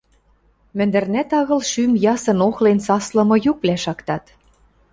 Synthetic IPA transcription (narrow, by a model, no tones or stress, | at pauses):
mɘ̆nd̪ɘ̆rnæt̪ɑɣɤ̆lʃymjɑsɤ̆noxlensɑslɤ̆mɤ̆juk̚βlæʃɑkt̪ɑt̪